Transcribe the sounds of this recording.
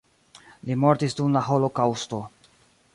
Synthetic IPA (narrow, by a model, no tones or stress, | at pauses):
limo̞ɾtisdunlaɦo̞lo̞kawsto̞